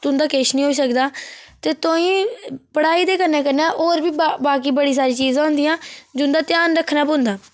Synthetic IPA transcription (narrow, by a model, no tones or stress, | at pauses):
t̪ʊ̃nd̪aːkeːʃnĩːɦoːiːs̬əkd̪aːt̪eːt̪oːĩːpəɽaːiːd̪eːkəɾnẽːkəɾnãːʔoːɾbiːbaːkiːbəɽiːs̬aːɾiːt͡ʃiːzãːɦʊ̃nd̪iːãːd͡ʒʊnd̪aːt̪ɪjaːnɾəkʰːnãːpõːnd̪aː